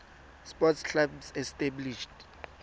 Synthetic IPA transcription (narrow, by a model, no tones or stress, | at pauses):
spɔtskʰabsɛstabliʃd